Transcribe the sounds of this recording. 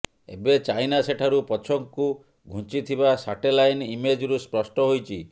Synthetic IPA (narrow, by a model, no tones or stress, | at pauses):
ḛbet͡ʃajnaseʈʰaɾupɔt͡ʃʰɔŋku | ɡʱũt͡ʃit̪ʰibasaʈelajnimed͡ʒɾuspɾɔsʈɔɦojt͡ʃʰi